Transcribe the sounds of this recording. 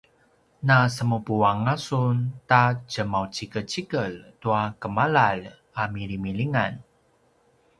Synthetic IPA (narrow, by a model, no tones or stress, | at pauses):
nasəmupuaŋasuntat͡ʃəmawt͡ʃikət͡ʃikəltuakəmalal | amiɾimiliŋan